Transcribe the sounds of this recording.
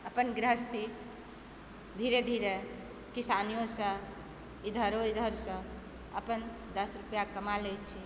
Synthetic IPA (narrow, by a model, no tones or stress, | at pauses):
əpənɡɾəɦəst̪i | d̪ʱiɾed̪ʱiɾe | kisanijosə̃ | id̪ʱəɾoid̪ʱəɾsə̃ | əpən | d̪əsɾupjakəmalɛt͡ʃʰi